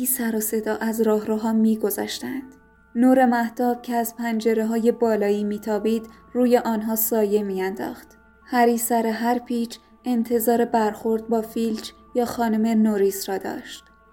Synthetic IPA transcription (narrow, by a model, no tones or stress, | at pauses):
iːsæɾɒːse̞d̪ɒːʔæzɾɒːɦɾɒːɦɒːmiːɡo̞zɒ̰ːʃt̪ænd̪̥ | nuːɾe̞mæht̪ɒːb̥cʰeæzpʰænd͡ʒe̞ɾeɦɒːje̞bɒːlɒːiːmiːt̪ʰɒːbiːd̪ | ruːje̞ʔɒːnɦɒːsɒːje̞miːænd̪ɒ̰ːxt̪ | hæɾiːsæɾeɦæɾpʰiːt͡ʃ | e̞nt̪ʰe̞zɒːɾe̞bæɾxo̞ɾd̪̚bɒːfiːlt͡ʃʰ | jɒːxɒːnome̞noɾiːsrɒːd̪ɒ̰ːʃt̪